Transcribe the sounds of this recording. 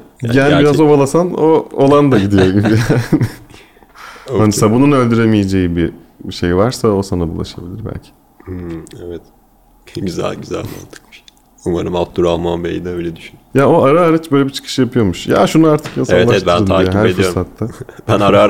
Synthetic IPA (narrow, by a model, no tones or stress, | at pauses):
ɟæniɾazzo̞balˠasanoolˠand̪aɟid̪ijo̞ɟibijanɪ | anisabununø̞lʲd̪yɾemijed͡ʒe̞jibi | biʃe̞jvaɾsao̞sanabulˠa̰ʃabilʲiɾbæ̰lʲcʰi̥ | evɛt̪ | ɟyzæ̰lʲɟyzæ̰lʲma̰nt̪ʰɯ̥k̚miʃ | umaɾɯmalt̪ʰuɾalˠmanbḛjid̪ɛøːlʲɛd̪yʃynyjao̞aɾaːɾat͡ʃbø̞ːlʲeɛbit͡ʃʰɯ̥kʰɯ̥ʃɯjapʰɯjo̞muʃja̰ːʃunuaɾt̪ʰɯ̥kjasaɛlˠat̪bɯnɯːajhæɾedfijɾoɾsat̪ːabænaɾa